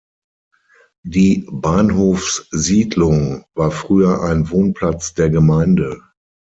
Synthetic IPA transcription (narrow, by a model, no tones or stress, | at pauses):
diːbaːnɦoːfsziːdlʊŋvaːɐfʁ̥yːɐʔaɪnvoːnpʰl̥at͡sd̥eːɐɡəmaɪndə